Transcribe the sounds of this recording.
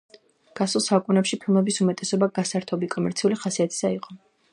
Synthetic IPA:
ɡ̥asulˠsaukʼunɛpʃipʰilˠmɛbisumɛt̪ʼɛsɔbaɡasaɾt̪ʰɔbikʼɔmɛɾt̪sʰiuliχasiat̪ʰi̥saiqʼɔ

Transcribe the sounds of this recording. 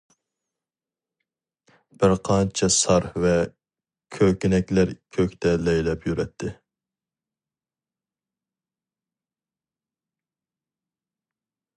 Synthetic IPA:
b̥ɪɾqʰɑnt͡ʃʰɛsɑɾhvɛ | kʲʰøkʲinɛkʲlæɾkʲʰøkʲt̪ʰɛlɛjlɛpjyɾɛt̪ʰːɪ

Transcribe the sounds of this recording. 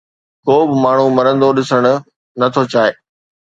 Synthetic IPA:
koːbɪmaːɳ̤umɐɾə̃nd̪oɗɪsəɽ̃ʊ̆ | nɐt̪ʰot͡ɕaːeː

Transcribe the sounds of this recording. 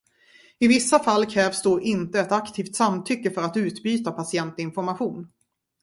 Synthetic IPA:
ɪvɪsːafalːkʰɾɛːvsd̪oːʔɪnt̪əɛt̪akt̪ʰiːft̪samt̪ʰʏkːəfœɾat̪ʉ̟ːt̪byːt̪apʰasɪɛnt̪ɪnfɔɾmaɧuːn

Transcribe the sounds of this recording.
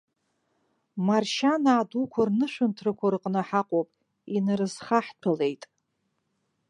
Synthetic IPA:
marʃanaːdukʷʰarnɨʂʷᶣɨntʰrɨkʷʰarɨqʼnɨħaqʷʼopʼ | inarɨzχaħtʰale̞jtʼ

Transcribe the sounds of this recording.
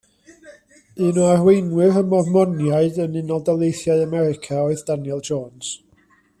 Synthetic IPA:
ɨnoarwejnwɪrəmɔvmɔnjaɨdənɪnɔlˠdɛlˠejθjaɨamɛɾɪkʰaoɨðd̥anjɛlˠd͡ʒɔːns

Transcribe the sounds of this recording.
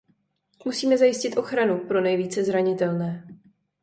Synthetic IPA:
musiːmɛzajɪscɪt̪ʔo̞xɾanupɾo̞nɛjviːt͡sɛzɾaɲɪt̪ɛlnɛː

